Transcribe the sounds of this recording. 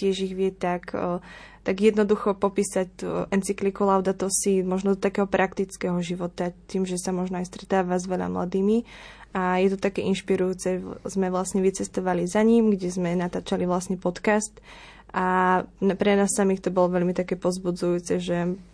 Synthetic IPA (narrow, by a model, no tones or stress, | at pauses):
cɪɛʒiɣʋɪɛt̪ak | t̪aɡjɛd̪nɔd̪uxɔpɔpiːsactuʔɛnt͡siklikɔlaʊd̪at̪ɔsimɔʒnɔd̪ɔt̪akɛːɦɔpɾʔakt̪it͡skɛɦɔʒiʋɔt̪at̪iːmʒɛsamɔʒnɔajst̪ɾɛt̪aːʋazʋɛʎa̰mla̰d̪iːmiajɛt̪ɔt̪akɛʔinʃpiɾujuːt͡sɛzmɛʋlasɲɛʋit͡sɛst̪ɔʋalizaɲimɡɟɛzmɛnat̪aːt͡ʃaliʋlasɲɛpɔt̪kast̪ | ʔanpɾɛnaːsːamiːxt̪ɔbɔlɔʋɛlmit̪akɛːpɔzbud͡zujuːt͡sɛʒɛ